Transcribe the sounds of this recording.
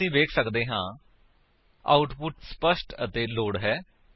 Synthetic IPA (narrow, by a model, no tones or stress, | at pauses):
ĩːʋeːkʰsəkd̪eːɦãː | a̰ːʊʈpʊʈspəʃʈət̪eːloːɽɦɛː